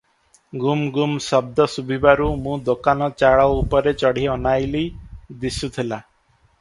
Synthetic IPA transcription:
ɡumɡumsɔb̚d̪ɔsubʱibaɾumũd̪okanɔt͡ʃaɭɔupɔɾet͡ʃɔɽ̤iɔnajlid̪isut̪ʰila

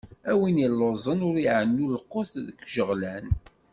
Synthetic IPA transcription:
æwinilːozˤənʊɾiʕənːulqːoθðəkːʒəʁlæn

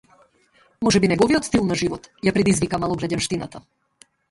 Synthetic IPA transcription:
mɔʒɛbinɛɡɔviɔt̪st̪ilˠnaʒivɔt̪japɾɛd̪izvikamalˠɔɡɾaɟɛnʃt̪ina̰t̪a

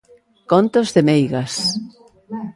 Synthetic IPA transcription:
kont̪ozðemejɣas

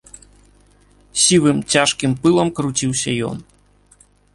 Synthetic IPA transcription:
sʲivɨmt͡sʲaʂkʲimpɨlˠɐmkɾut͡sʲiwsʲɐjɔ̰n

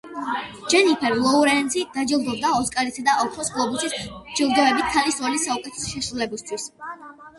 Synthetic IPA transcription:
d͡ʒɛnipʰɛɾlˠɔuɾɛnt̪sʰid̪̥ad͡ʒilˠɡ̪ɔbd̪aɔskʼaɾisad̪aɔk̪ʰχʰɔsɡlˠɔbusisd͡ʒilˠɡ̪ɔvɛbit̪̚ʰt̪ʰalisɔlisaukʼɛt̪ʰɛ̥sʃɛʃɾulɛbist̪ʰwis

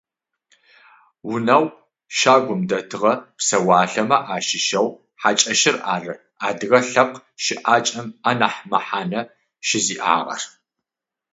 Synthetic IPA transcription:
wʊnɐw | ʃaːɡʷʊmdɐtʰɨʁɐpsɐwaːɬɐmɐʔaːʃɪʃɐw | ħat͡ʃʼɐʃɪra̰ːrɨ | aːdɨɣɐɬɐqʃɪʔaːt͡ʃʼɐmanɐħmɐħaːnɐ | ʃɪziːʔa̰ːʁɐ̰r

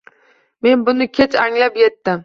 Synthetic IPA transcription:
me̞nbʊnɪkʲʰe̞t͡ʃaŋlapjet̪ːɪm

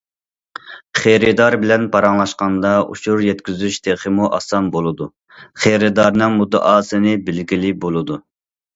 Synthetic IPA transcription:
χeɾɪd̪ɑɾbɪlɛnpʰɑɾɑŋlˠɑʃqɑnd̪ɑṵʃuɾjɛt̪kʲyzyʃd̪ʰeχəmuʔɑ̰sɑnbolˠɨd̪u | χejɾɨd̪ɑɾnɨŋmud̪ːɨ̰ʔɑːsɨnɨbɪlɡʲilɪbolˠɨd̪u

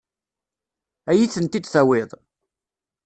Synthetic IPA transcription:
æjiθənt̪id̪θæwɪðˤ

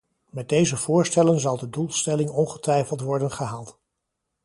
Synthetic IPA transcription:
mɛd̚dejzəv̥ʊːɹstɛlənzɑlˠdədulˠstɛlɪŋɔnχətʋɛjfəlˠtʋɔɹdənχəɦaːlˠt

